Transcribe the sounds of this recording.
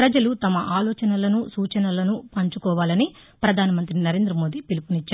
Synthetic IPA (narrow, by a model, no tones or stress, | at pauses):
pɾɐd͡ʒɐlut̪ɐmɐʔaːlɔːt͡ʃɐnɐlɐnusuːt͡ʃɐnɐlɐnupɐɲt͡ʃukɔːʋaːlɐnipɾɐd̪ʱaːnɐmɐnt̪ɾinɐɾe̞ːnd̪ɾɐmo̞ːd̪ipilipunit͡ʃːaːɾ